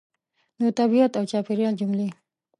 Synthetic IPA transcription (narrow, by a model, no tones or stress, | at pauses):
nut̪abiat̪awt͡ʃapiɾjɑld͡ʒumle